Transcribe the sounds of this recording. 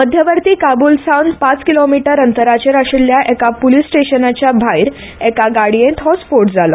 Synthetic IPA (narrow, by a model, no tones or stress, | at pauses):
məd̪ʱjəʋəɾt̪iːkabulsawnpat͡skilomiʈəɾənt̪əɾat͡ɕɾaʂljaʔɛkapolisʈeɕənat͡ɕjabʱaiɾ | ɛkaɡaɽijẽt̪ɦɔspoɾʈd͡zalɔ